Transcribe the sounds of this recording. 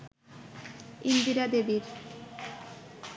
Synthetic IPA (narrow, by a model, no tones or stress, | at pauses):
ind̪iɾad̪ebiɾ